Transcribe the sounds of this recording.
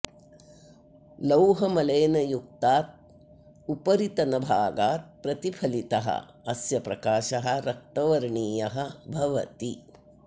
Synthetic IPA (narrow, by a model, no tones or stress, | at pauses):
lɐwɦɐmɐleːnɐjuk̚t̪aːt̪̚ | upɐɾit̪ɐnɐbʱaːɡaːt̪̚pɾɐt̪ipʰɐlit̪ɐɦɐ̰ | ɐsjɐpɾɐkaːʃɐɦɐ̆ɾɐk̚ʈɐʋɐɾɳiːjɐɦɐbʱɐʋɐt̪i